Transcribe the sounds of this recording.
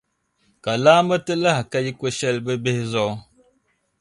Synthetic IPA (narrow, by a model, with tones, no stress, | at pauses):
ka˨la˦mə˦tə˦la˦hka˦ji˦kwə˦ʃɛ˦˨lbə˦be˦hzɔ˦˨